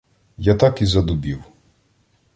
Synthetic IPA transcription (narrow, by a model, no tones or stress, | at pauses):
jat̪ɑkizɐd̪ʊbʲiw